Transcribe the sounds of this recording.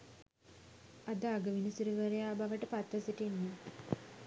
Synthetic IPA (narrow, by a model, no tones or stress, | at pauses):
ad̪aːɡəʋinəsuɾuʋəɾejaːbaʋəʈəpat̪ʋəsiʈenːe